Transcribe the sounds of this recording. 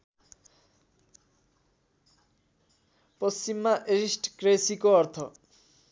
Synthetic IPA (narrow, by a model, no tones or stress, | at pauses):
pʌst͡ɕimːaʔeɾisʈkresikoʌrt̪ʰʌ̰